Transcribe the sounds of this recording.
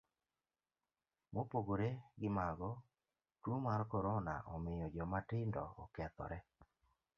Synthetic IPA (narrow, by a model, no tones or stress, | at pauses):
mopoɡoɾeɡɪmaɡɔ | twomaɾkɔɾɔna̰ʔɔmɪjɔd͡ʒɔmatɪndɔ̰ɔkɛt̪ɔ̰ɾɛ